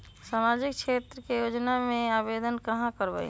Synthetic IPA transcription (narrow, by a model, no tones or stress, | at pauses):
samad͡ʒikt͡ʃʰet̪ɾəkejod͡ʒnamẽabed̪ənkəɦãkəɾbə̰j